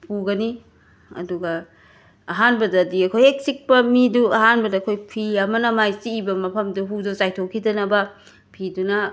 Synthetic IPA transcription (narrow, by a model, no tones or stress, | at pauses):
pʰuɡɐni | ɐ̰duɡɐː | ɦanbɐdɐːdiɐkʰojek̚sik̚pɐmiduɐɦanbɐdɐːkʰojpʰiɐmɐnɐmajsiːbɐmɐpʰɐmduɦudosajtʰokʰidɐnɐbɐ | pʰidunɐ